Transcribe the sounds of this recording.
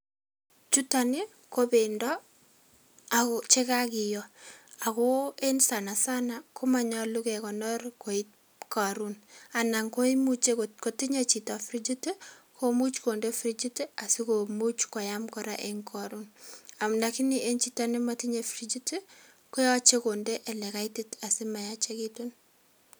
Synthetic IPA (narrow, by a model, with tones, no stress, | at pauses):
t͡ʃu˦ta˨ni˦ | ko˦be˨ndɔ˦ | a˨ko˨t͡ʃe˦ka˦kɪ˨jɔa˨kɔ˦e˦nsa˨na˨sa˦nakʰo˦ma˨ɲa˦lu˦kɛ˨kɔ˨nɔ˦rko˨it̚ | ka˨ɾuna˨na˨ŋko˦i˦mu˦t͡ʃe˦ko˨ti˦ɲet͡ʃi˨ta˨fɾi˦d͡ʒi˦te˦ | kʰo˦mu˦t͡ʃko˨nde˦fɾi˦d͡ʒi˦te˦a˨si˦ko˨mu˦t͡ʃkɔ˨ja˦mkɔɾa˦ʔeŋkʰa˨ɾuna˨mnda˨ki˦ni˦e˦nt͡ʃitani˦mati˦ɲe˨fɾi˦d͡ʒi˦te˦ | ko˦jɔ˦t͡ʃe˦konde˦ʔɛ˨lɛ˨ka˦iti˦ta˨si˦ma˨ja˦t͡ʃe˦ki˦tu˦n